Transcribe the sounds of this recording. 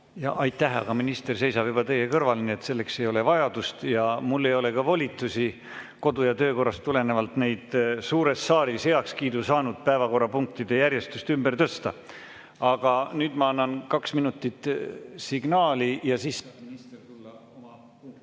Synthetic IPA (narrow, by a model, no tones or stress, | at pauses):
jɑ̰ʔɑjt̪ːˑæɦɑ̰ɡ̥ɑminist̪e̞rse̞jsɑb̥jub̥ɑt̪e̞je̞kɤrvɑlineet̪se̞lːe̞kse̞jo̞le̞vɑjɑd̪̥ust̪jɑmulːe̞jo̞le̞kɑvo̞lʲit̪ːˑusi | ko̞d̪ujɑt̪ø̞ːko̞rːɑst̪ːule̞ne̞vɑlt̪ne̞jd̪̥suːɾe̞sːɑːɾishe̞ɑkskiːd̪usɑːnud̪̥̚pæevɑko̞rːɑpuŋk̚t̪id̪e̞jæɾje̞st̪ust̪ymbert̪ɤst̪ɑ̰ | ɑɡ̥ɑnyːd̪̥mɑɑnːɑnkɑksminut̪ːˑit̪ˑsiɡ̥nɑːlijɑsiːsst̪rulːomɑ